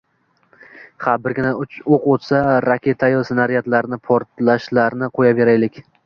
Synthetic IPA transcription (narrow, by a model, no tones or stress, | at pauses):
χabɪɾɡʲɪnaʊt͡ʃoqot̪saɾakʲe̞t̪ʰajɒsɪnaɾijat̪laɾnɪpʰoɾt̪laʃlaɾnɪqʰojabe̞ɾajlɪkʲ